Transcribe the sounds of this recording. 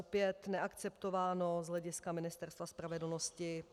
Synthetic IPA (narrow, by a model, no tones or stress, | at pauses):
opɪjɛt̪nɛʔakt͡sɛpt̪o̞vaːno̞zɦlɛɟɪskamɪnɪst̪ɛɾst̪vaspɾavɛdl̩noscɪ